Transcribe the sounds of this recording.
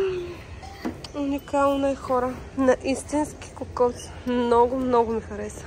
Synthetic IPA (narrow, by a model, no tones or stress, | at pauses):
unikalˠnɐɛxɔɾənɐʔist̪inski̥kʊkɔt̪smnɔɡʊmnɔɡʊmixɐɾɛsə